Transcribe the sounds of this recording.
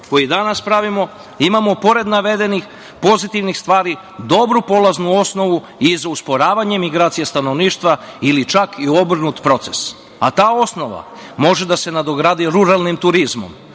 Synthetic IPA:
ko̞jid̪anaspɾaʋimo̞ | imamo̞po̞ɾe̞d̪naʋe̞d̪e̞nix | po̞zit̪iʋnixst̪ʋaːɾi | d̪o̞bɾupo̞lˠaznuo̞sno̞ʋu | izauspo̞ɾaːʋaɲemiɡɾaːt̪sijest̪ano̞ʋniːʃt̪ʋailit͡ʃakʰio̞br̩nut̪pɾo̞t̪se̞s | a̰t̪aːo̞sno̞ʋa̰mo̞ʒe̞d̪ase̞nad̪o̞ɡɾad̪iɾuɾalˠnimt̪uɾizmo̞̰m

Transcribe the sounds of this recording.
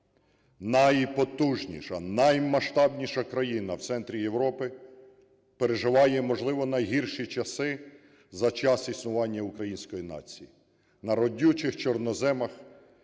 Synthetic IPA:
nɐjpɔt̪uʒnʲḭʃɐ̰nɐjmɐʃt̪ɑbnʲiʃɐkɾɐjinɐwt̪sɛnt̪ɾʲijewɾɔpɪ | peɾeʒɪʋɑjɛmɔʒlˠɪʋɔnɐjɦirʃit͡ʃɐsɪ | zɐt͡ʃɑsisnʊʋɑnʲːɐʊkɾɐjinʲsʲkɔjinɑ̰t͡sʲiji | nɐɾɔdʲut͡ʃɪxt͡ʃɔrnɔzɛmɐx

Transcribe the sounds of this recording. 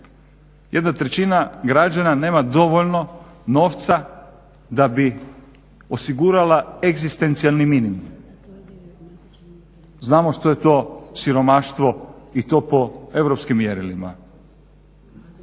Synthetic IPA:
jʔe̞d̪nat̪ɾe̞t͡ɕinaɡɾad͡ʒanane̞ːmad̪o̞ʋoʎno̞no̞ːʋt̪sa | d̪abi | osiɡuːɾalaeɡzist̪e̞nt̪sialˠniminimum | znaːmo̞ʃt̪oje̞t̪o̞ːsiɾo̞maʃt̪ʋo̞it̪o̞ːpo̞e̞vɾopskimːjeɾilima̰

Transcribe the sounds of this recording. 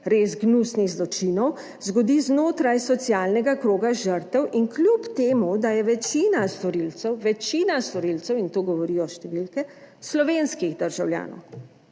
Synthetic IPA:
ɾezɡnusniɣzlɔt͡ʃinɔw | zɡɔd̪iːznoːt̪ɾajsɔt̪sijaːlnɛɡakɾoːɡaʒəɾt̪ɛwʔinklʲjupt̪eːmud̪ajɛʋɛt͡ʃiːnast̪ɔɾilt̪sɛwʋɛt͡ʃiːnast̪ɔɾilt̪sɛwint̪oːɡɔʋɔɾijɔʃt̪ɛʋilkɛ | slɔʋenskiɣd̪əɾʒawlja̰ːnɔ̰w

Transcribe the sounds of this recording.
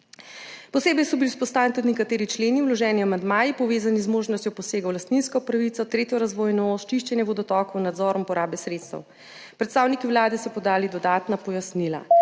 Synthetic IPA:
pɔseːbɛjsɔbiliuspɔst̪aːwnit̪ud̪nk̬at̪eːɾit͡ʃleːniuwlɔʒɛːniamand̪maːjipɔʋeːzanizmoːʒnɔst̪jɔpɔseːɡawlast̪ninskɔpɾaʋit̪sɔt̪ɾeːt̪jɔɾazʋoːjnɔost͡ʃiʃt͡ʃɛnjɛbɔd̪ɔt̪ɔːkwnad̪zɔːɾɔmpɔɾaːbɛsɾeːt̪st̪ɐ̰w | pɾɛt̪st̪aːwnikiwlaːd̪ɛsɔpɔd̪aːlid̪ɔd̪aːt̪napɔjasniːla̰

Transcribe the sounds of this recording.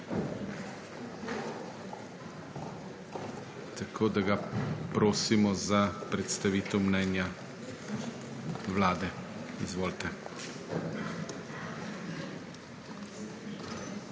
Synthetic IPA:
t̪akʰoːd̪aɡapɾoːsimɔzapɾɛt̪st̪aʋiːt̪ɛwmnɛːnja | ʋlaːd̪ɛizʋoːlt̪ɛ

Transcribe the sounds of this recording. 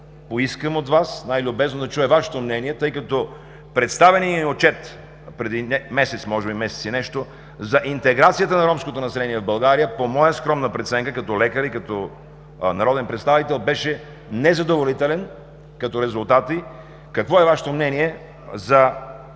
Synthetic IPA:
poiskəmot̪vasnajlʲʊbɛznod̪ɐt͡ʃuɛvaʃɛ̥t̪omnɛniɛt̪ɤjkɐt̪ɔ | pɾɛt̪st̪avɛniniot͡ʃɛt̪ | pɾɛd̪inɛmɛsɛt̪smɔʒɛbimɛsɛt̪sinɛʃt̪o | zɐʔint̪ɛɡɾat̪sijət̪ənɐɾɔmskot̪onɐsɛlɛniɛvbɐlˠɡaɾijəpomɔjəskɾɔmnəpɾɛt̪sɛŋkəkɐt̪ɔlɛkəɾikɐt̪ɔ | nɐɾɔd̪ɛnpɾɛt̪st̪avit̪ɛlˠbɛʃɛ | nɛzɐd̪ovolit̪ɛlɛn | kɐt̪ɔɾɛzʊlˠt̪at̪i | kɐkvɔɛvaʃɛ̥t̪omnɛniɛ | zɐ

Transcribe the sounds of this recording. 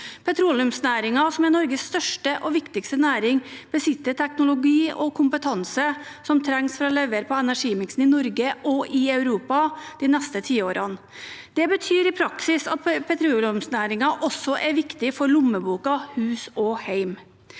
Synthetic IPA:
pʰɛt̪ʰɾuːlɪʉmsnæːɾɪŋɑsɔmɛɾnɔɾɡəsːt̪œʂʈəʔɔʋɪkt̪ɪkst̪ənæːɾɪŋb̥əsɪt̪ːəɾt̪ʰɛknʊlʊɡiːɔkʰʊmpət̪ʰɑnsəsɔmt̪ʰɾɛŋsfɾɑlɛʋəɾpʰɔɛnæʂiːmɪksn̩ɪnɔɾɡəʔɔʔɪɑʉɾuːpɑd̪̥iːnɛst̪ət̪ʰiːoːɾʔɑn | d̪̥ɛbət̪ʰyːɾɪpʰɾɑksɪsɑt̪̚pʰɛt̪ʰɾuːlʉmsnæːɾɪŋɑʔɔsɔʔɛɾʋɪkt̪ɪfɔɾɭʊmːəbuːkɑhʉːsɔhæɪm

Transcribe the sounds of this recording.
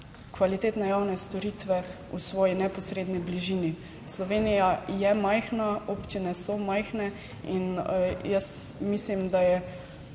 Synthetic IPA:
kʋalit̪eːt̪nɛjawnɛst̪ɔɾiːt̪ʋɛ | ṵsʋɔːjinɛpɔsɾeːd̪nibliʒiːni | slɔʋeːnijajɛmajxnaoːpt͡ʃinɛsɔmajxnɛ | injəsmislimd̪ajɛ

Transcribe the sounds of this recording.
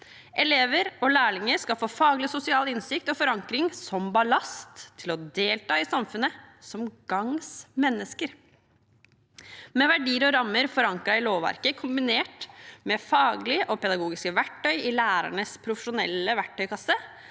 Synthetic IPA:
ʔɛleːʋəɾɔlæːɭɪŋəɾskɑlfoːfɑːɡlɪsʊsɪɑːlɪnsɪk̚t̪ɔfɔɾɑŋkɾɪŋsɔmbɑlɑst̪ʰːɪlɔd̪eːlt̪ɑːɪsɑmfʉnəsɔmɡ̥ɑŋsmɛnːəskəɾ | mɛʋæɖiːəɾɔɾɑmːəɾfɔɾɑŋkɾɑɪloːʋʋæ̰ɾkəkʰʊmbɪneːʈmɛfɑːɡlɪʔɔpɛd̪ɑɡuːɡɪskəʋæʈʰːœʏɪlæːɾæ̰ɳəspʰɾʊfəʂʊnɛ̰ləʋæʈʰːœʏkʰɑsə

